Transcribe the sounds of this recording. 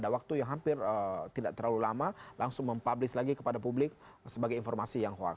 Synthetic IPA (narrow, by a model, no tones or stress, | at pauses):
dawak̚t̪ujaŋɦampɪrət̪idaʔ̚t̪ərlalulamalaŋsʊŋməmpablɪslaɡikəpadapublɪk̚ | səbaɡajinfɔrmasijaŋɦoa̰